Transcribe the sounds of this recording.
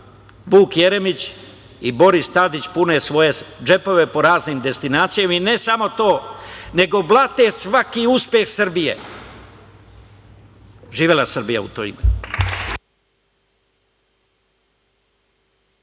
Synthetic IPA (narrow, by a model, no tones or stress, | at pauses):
ʋuːkje̞ɾe̞mit͡ɕ | ibo̞ɾist̪ad̪it͡ɕpunesʋo̞je̞d͡ʒe̞po̞ʋe̞po̞ɾaːzniːmd̪e̞st̪inaːt̪sijaminesamo̞t̪o̞ːne̞ɡo̞blˠat̪esʋakiuspje̞xsr̩bijḛ | ʒiːʋelˠasr̩bija̰ṵt̪o̰ḭme